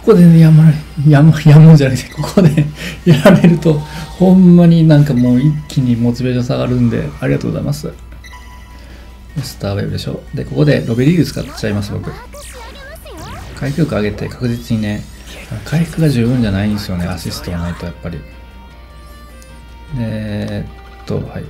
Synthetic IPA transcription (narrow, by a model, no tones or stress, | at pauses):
kko̥ko̞d̪e̞nejamaɾjamajamɯ̟ɲd͡ʑanakt̪ko̞kʰod̪ejaɾaɾe̞ɾɯ̟t̪o̞hõ̞mːaɲ̟inãŋkamo̞ːikʲːiɲ̟imo̞t͡sɨbeʑosaɡaɾɯ̟̃nd̪e̞̰aɾʲiɡat̪o̞ːɡoza̰ḭmasɨ | esɨ̥t̪aːβḛbɯ̟d̪e̞ɕo̞̰ːd̪e̞ko̞ko̞d̪e̞ɾo̞beɾʲiːɾɯ̟t͡sɨ̥ka̰t͡ɕaimasɨbo̞kɯ̟ | kʰaikɯ̟ːkaaɡe̞t̪e̞̰kḁkɯ̟ʑit͡sɨɲ̟ine̞ | akʰaiɸɯ̟̥kɯ̟ɡaʑɨːbɯ̟̃ɲ̟d͡ʑanaĩnd̪esɨjo̞neaɕisɨ̥t̪o̞manait̪o̞japːaɾʲḭ | d̪e̞ | t̪ːo̞̰hai